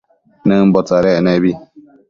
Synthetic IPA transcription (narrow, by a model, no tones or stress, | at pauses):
nɛm̩bɔtaɾɛnebi